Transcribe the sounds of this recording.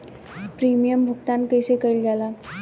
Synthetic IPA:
pɾimijəmbʱukt̪ankəjsekəilɡʱɛla

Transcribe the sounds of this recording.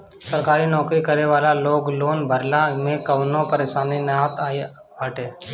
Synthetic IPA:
səɾkaːɾinɔːkɾikəɾeʋaːlaloːɡloːnbʱəɾlamẽkɐʋnõpəɾeːʃaːninãːt̪aːe | ʋaːʈeː

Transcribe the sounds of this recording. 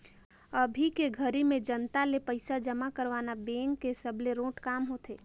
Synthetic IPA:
əbʱikeɡʱəɾimẽd͡ʒənt̪alepəɪsad͡ʒəmakəɾʋaːnabẽːŋkːesəbleɾõːʈkaːmɦot̪eː

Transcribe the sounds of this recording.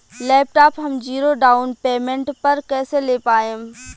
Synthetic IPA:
lɛːp̚ʈaːpɦɐmd͡ʒiːɾoɖaːʊnpeːmẽɳʈpɐɾkɛːseleːpaːẽ

